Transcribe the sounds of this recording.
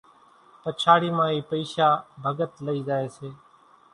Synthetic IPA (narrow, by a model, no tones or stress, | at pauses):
pət͡ʃʰaːɽiːmãːiːpəiːʃaːbʱəɡət̪ləiːd͡ʒaːeːseː